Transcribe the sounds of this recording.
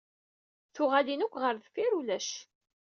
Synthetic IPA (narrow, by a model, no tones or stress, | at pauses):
θʊʁalinʊkʷːʁəɾðfiɾulæʃ